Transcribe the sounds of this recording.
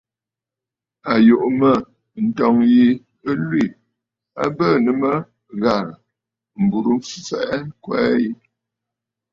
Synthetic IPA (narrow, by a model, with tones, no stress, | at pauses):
a˨jo˨ʔmə˦˨ | n̩˨tɔ˨ŋji˦ | ə˦lwi˦˨ | a̰˦bə˦˨nə˨˦mə˦ | ɣa˨ɾə˨ | m̩˨bu˨ɾu˦m˦fi˨fɛ̰˨ʔɛ˦ŋ̩˦kwɛ˦ji˦